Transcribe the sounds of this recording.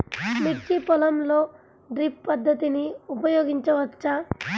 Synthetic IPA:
miʈt͡ʃipɔlɐmlo | ɖɾipːɐd̪ʱːət̪iniupɐjoɡint͡ʃɔʋɐt̪ːt͡ʃa

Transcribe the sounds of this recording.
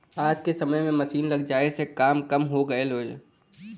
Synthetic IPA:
aːd͡ʒkesɐməjmẽmɐsiːnlɐɡd͡ʒaːesekaːmkɐmɦoɡɐeloːd͡ʒe

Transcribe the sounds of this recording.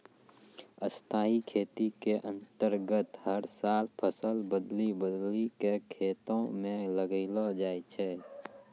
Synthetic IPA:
əst̪ʰaːikʰeːt̪ikeʔə̃nt̪əɾɡət̪həɾsaːlpʰəsəlbəd̪libəd̪likekʰeːt̪õmẽləɡilod͡ʒaːit͡ʃʰɛː

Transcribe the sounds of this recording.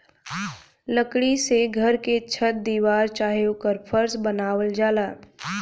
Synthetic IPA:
ləkɽiseɡʱɐɾket͡ʃʰət̪̚d̪iːʋaːɾt͡ʃaːɦjokəɾpʰəɾsbənaːwəld͡ʒaːlaː

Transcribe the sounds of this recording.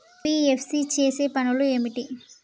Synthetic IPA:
iːepʰsiːt͡ʃeːseːpɐnulueemiʈi

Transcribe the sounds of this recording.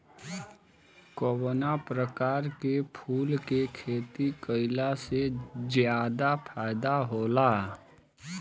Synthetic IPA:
kowonapɾəkaːɾkepʰuːlkekʰeːt̪ikəɪlasezjaːd̪apʰaːɪd̪aɦoːlaː

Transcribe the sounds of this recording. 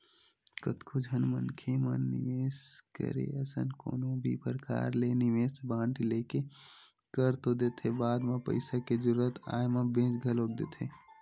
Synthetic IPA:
kət̪kʰod͡ʒʱənmənkʰemə̰nːɪ̰ʋeːskə̰ɾḛəsə̰nko̰ːnõbʱḭpəɾka̰ːɾlenɪʋeːsbãːɳʈileːke | kəɾt̪od̪eːt̪ʰebaːd̪mãpə̰ɪsaked͡ʒəɾuət̪a̰ːjmãbẽːd͡ʒɡʱəloːk̚d̪ḛːt̪ʰeː

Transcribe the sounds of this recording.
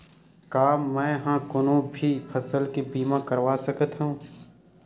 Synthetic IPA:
kaːmːɛ̃ːɦãkʊnõbʱipʰəsəlkebiːmãkəɾʋaːsəkət̪ɦũː

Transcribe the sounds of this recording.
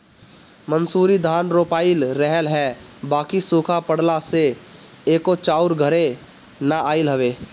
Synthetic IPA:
mənsuːɾid̪ʱaːnɾoːpaːɪlɾəɦəlɦɛ | baːkisuːkʰapəɽlase | eːkot͡ʃaːʊɾɡʱəɾe | naʔaːɪlɦɐʋeː

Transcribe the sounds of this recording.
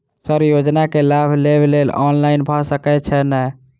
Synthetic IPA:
səɾjod͡ʒnakelabʱleblelɔ̰nlaɪnbʱɔsəkɛt͡ʃʰɛnɛ

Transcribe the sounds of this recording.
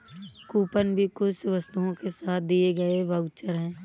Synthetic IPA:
kuːpənbʱikʊt͡ʃʋɐst̪uɦõkesaːt̪̚ʰd̪ieɡɐeʋɐɡt͡ʃəɾɦɛ̃ː

